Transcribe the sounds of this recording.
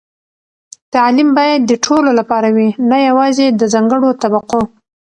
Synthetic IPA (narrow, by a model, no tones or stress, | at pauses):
t̪alimbɑjad̪ːəʈʰololapɑɾawinajawɑzed̪əzɑŋɡəɽot̪abaqo